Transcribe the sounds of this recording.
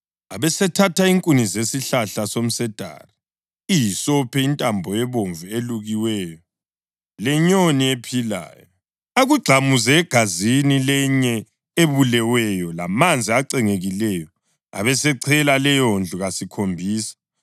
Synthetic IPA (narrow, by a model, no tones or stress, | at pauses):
aβɛsɛtʰatʰaiŋkʼunizesiɬaɬasom̩sɛd̥ʱa̰ri | ijisɔpʰɛintʼambʱɔjɛβoɱvueluɣiwɛːjɔ | lɛɲoniepʰila̰ːjɔ | aɣuɡ͡ǀʱamuzɛːɡ̥ʱazinilɛɲɛ | eβulɛwɛjɔla̰mand͡zʱiaǀɛŋeɣilɛjɔ | a̰βɛsɛǀʰɛlalɛjond͡ɮʱuɣasikʰombʱiːsḁ